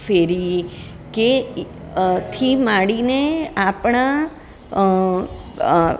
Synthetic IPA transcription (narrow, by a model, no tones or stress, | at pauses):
feɾi | ke | t̪ʰimaɽineapɳ̃a